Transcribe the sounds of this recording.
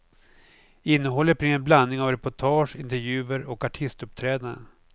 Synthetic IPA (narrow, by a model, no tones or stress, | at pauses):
ɪnːəɦɔlːəɾpʰɾɪŋənblanːɪŋavɾɛpʊʈʰɑːʂɪnt̪ɛɾjʉ̟ːəɾɔkaʈʰɪst̪ɵpt̪ʰɾɛːd̪aɾə̰